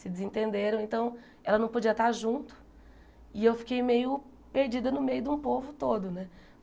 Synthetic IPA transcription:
sɪd͡ʒɪzẽt̪ẽnd̪eɾɐ̃w̃ẽnt̪ɐ̃w̃ | ɛlɐnɐ̃w̃pod͡ʒiɐt̪aɾʒũnt̪ʊ̥ | ɪewfi̥kejmejʊ | peɾd͡ʒid̪ɐnʊmejʊd̪ũpovʊt̪od̪ʊnɛ

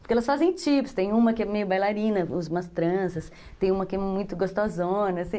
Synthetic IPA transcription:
pʊɾkeɛlɐsfazẽj̃t͡ʃipst̪ẽj̃ũmɐkɪɛmejʊbajlaɾĩnɐʊzumɐst̪ɾɐ̃sɐs | t̪ẽj̃ũmɐkɪɛmũj̃t̪ʊɡost̪ozõnɐasĩ

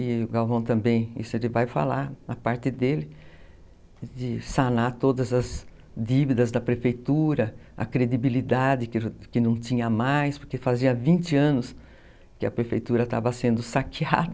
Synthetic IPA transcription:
ɪʊɡawvɐ̃w̃t̪ɐ̃mbẽj̃ḭsʊelɪvajfa̰laɾnɐpaɾt̪ɪd̪elɪ | d͡ʒ̪ɪsanat̪od̪ɐzɐz | d̪ivid̪ɐzd̪ɐpɾefejt̪uɾɐɐ̰kɾed̪ibilid̪ad͡ʒ̪ɪkɪkɪnɐ̃w̃t̪ĩɲɐmajspoɾkefaziɐvĩnt͡ʃ̪ɪɐ̃nʊs | kɪɐpɾefejt̪uɾɐt̪a̰vɐsẽnd̪ʊsakia̰d̪ɐ

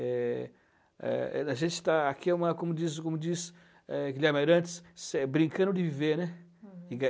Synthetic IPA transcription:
ɛ | ɛ̰ɛɐʒẽnt͡ʃɪ̥t̪aakiɛũmɐkõmʊd͡ʒizkõmʊd͡ʒis | ɛɡilɛɾmaɾɐ̃t͡ʃɪ̥ssɛbɾĩŋkɐ̃nd̪ʊdd͡ʒɪviveɾnɛɪɡa

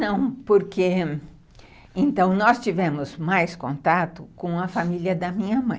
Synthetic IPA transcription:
nɐ̃w̃poɾke | ẽnt̪ɐ̃w̃nɔst͡ʃivɛ̃mʊzmajskõnt̪at̪ʊkõɐfamiljɐd̪ɐmĩɲɐmɐ̃j̃

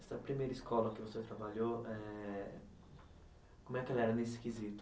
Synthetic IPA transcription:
st̪apɾimeɾiskɔlakɪvoset̪ɾabaʎoɛ | komɛkːɛlɛɾɐneskizit̪ʊ

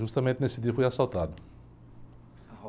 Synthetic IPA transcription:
ʒust̪ɐmẽnt̪ɪnesɪd̪iɐfojasawt̪ad̪ʊ

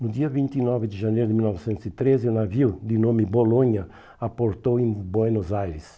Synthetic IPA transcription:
nʊd̪iɐvĩnt̪inɔvɪd̪ɪʒanejɾʊd̪ɪmilnɔvɪsẽnt̪ʊsit̪ɾezɪʊnaviwd̪ɪnõmɪbolõɲɐ | apoɾt̪owẽbwenozajɾɪs

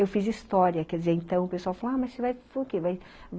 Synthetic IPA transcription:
ewfizist̪ɔɾjɐkɛɾd̪izeɾẽnt̪ɐ̃w̃ʊpesuawfalamɐssevajfokevaj | v

